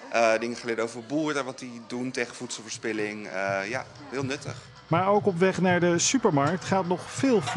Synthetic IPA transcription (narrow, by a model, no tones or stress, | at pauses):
ʔədɪŋəχəlɪːdowvəɹbuːɾəʋɑtdiduntejχəvutsəlˠvəːɹspɪlɪŋəja̰ː | ɦɪːlˠnɵtə̰χ | maːɹowkɔpʋɛχnaːɹdəsypəɹmɑɹk̚tχaːtnɔχfɪːlˠf